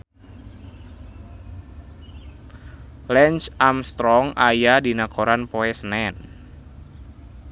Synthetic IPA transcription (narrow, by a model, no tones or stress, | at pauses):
lɛnt͡ʃamst̪ɾɔŋajadinakoɾanpɔɛsnɛn